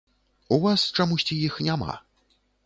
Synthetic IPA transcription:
uvast͡ʂamusʲt͡sʲijixnʲama̰

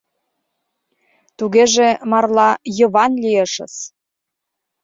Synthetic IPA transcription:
t̪uɣeʒemɑrlɑjə̆βɑnlʲiəʃə̰̆s

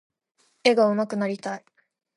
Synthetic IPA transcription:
e̞ɡaɯ̟makɯ̟naɾʲit̪ai

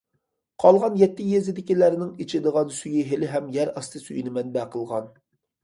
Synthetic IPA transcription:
qʰɑlˠʁɑnjɛt̪ːɪjezɪd̪ɪkʲilæɾnɪŋit͡ʃʰɪd̪əʁɑnsyjiɦelɪɦɛmjɛɾɑst̪ʰɨsyjnɪmɛnbɛqʰəlˠʁɑn

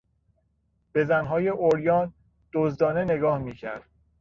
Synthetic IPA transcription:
b̥e̞zænɦɒːje̞ʔoɾjɒːn | d̪̥ozd̪ɒːne̞ne̞ɡɒːhmiːcʰæ̰ɾd̪̥

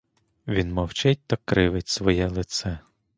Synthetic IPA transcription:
ʋʲinmɔwt͡ʃɛtʲt̪ɐkɾɪʋɪtʲsʋɔjɛlˠɪt̪sɛ

